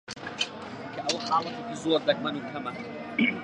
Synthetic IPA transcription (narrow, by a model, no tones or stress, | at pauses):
kʰɐʔɐwħaːlˠɐt̪ekizoːɾd̪ɐk̚mɐnuːkʰɐmɐ